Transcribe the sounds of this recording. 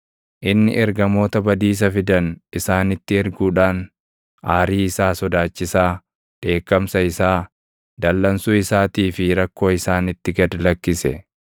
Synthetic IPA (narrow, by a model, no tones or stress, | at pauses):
ʔɪnːɪ̰ʔɛɾɡɐmo̞ːt̪ɐbɐd̪iːs̬ɐfɪd̪ɐnɪsaːnɪt̪ːɪɛɾɡuːᶑaːn | aːɾiːɪsaːsɔd̪aːt͡ʃːɪsaː | ᶑe̞ːkːɐmsɐɪsaː | d̪̥ɐlːɐnsuɪsaːt̪iːfɪɾɐkːo̞ːɪsaːnɪt̪ːɪɡɐd̪lɐkːɪsɛ